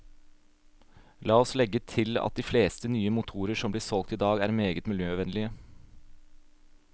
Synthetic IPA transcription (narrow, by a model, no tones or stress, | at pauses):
lɑːɔslɛɡət̪ʰɪlɑ̰t̪̚d̪iːfleːst̪ənyːəmʊt̪ʰuːɾəʂɔmbliːɾsɔlɡ̚t̪iːd̪ɑːɡæ̰ːɾmeːɡət̪mɪljøːʋɛnlɪə